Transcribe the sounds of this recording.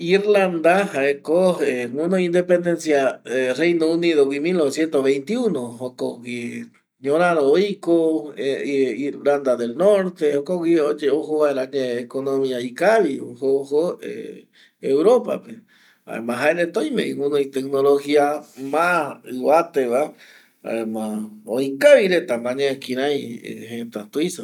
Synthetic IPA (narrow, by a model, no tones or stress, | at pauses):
iɾland̪ahaekoeŋũnõĩnd̪epend̪ensjarejnoũniðowimilnoβesjent̪oβejnt̪iunohokoɡi | ɲõɾaɾoojko | iɾland̪aðelnoɾt̪ehokowiod͡ʒeoɦoaeɾaŋeekonõmĩaikaβihohoḛ | ewɾopa̰pe | a̰ḛmãɦaenet̪õjmḛ̃ĩũnõit̪ek̚noloxiamãɨβat̪eβa | a̰emãojkaβiɾet̪amãɲekĩɾãjḛhet̪at̪uiso